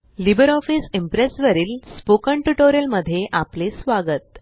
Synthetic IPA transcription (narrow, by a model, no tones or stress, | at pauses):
libəɾɔfisimpɾesʋəɾiːlspokəɳʈuʈoɾijəlməd̪ʱːjeʔaplesʋaɡət̪